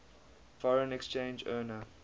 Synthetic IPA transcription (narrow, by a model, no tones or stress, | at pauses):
fɔɹə̃nɛkst͡ʃẽnd͡ʒəːnə